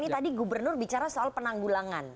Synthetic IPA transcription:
nit̪adiɡubərnʊrbit͡ʃaɾasoalpənaŋɡulaŋan

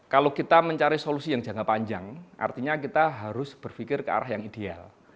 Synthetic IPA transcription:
kalokit̪aməɲt͡ʃaɾisolusijaŋd͡ʒa̤ŋapaɲd͡ʒaŋʔa̰rt̪iɲakit̪aɦaɾʊsb̥ərfikɪrkəa̰ɾahjaŋid̥ea̰l

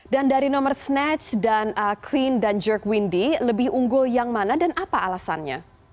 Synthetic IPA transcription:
dandaɾinɔmərsnɛt͡ʃdanəkʰlindand͡ʒɔrkwindiləbɪhuŋɡʊljaŋmanadanʔapaalasa̰nɲa̰

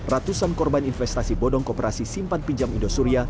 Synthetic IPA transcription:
rat̪usankɔrbaninfɛst̪asibɔdɔŋkɔpeɾasisimpan̚piɲd͡ʒamindost̪uɾia

